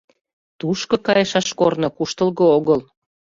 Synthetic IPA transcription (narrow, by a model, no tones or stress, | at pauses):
t̪uʃkokɑjeʃɑʃkornokuʃt̪əlɣooɣəl